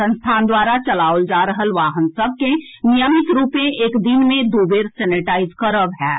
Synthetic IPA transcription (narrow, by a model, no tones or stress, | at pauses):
ə̃nst̪ʰaːnd̪waːɾat͡ʃəlaːwəld͡ʒaːɾəɦəlʋaːɦənsəb̚ke | nijəmɪt̪ɾuːpẽʔeːkd̪ɪnmẽd̪uːbeːɾsɛːnɪʈaːɪzkəɾəbɦɛː